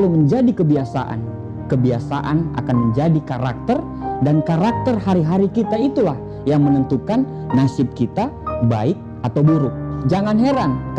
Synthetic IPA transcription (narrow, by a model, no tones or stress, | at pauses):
luməɲd͡ʒadikəbiasa̰ʔa̰n | kəbiasaʔana̰kanməɲd͡ʒadikaɾak̚t̪ər | dankaɾak̚t̪ərhaɾiɦaɾikit̪ait̪ulah | jaŋmənənt̪ukanː | asɪp̚kit̪aba̰ɪk̚ | at̪awbuɾʊk̚d͡ʒaŋanɦeɾan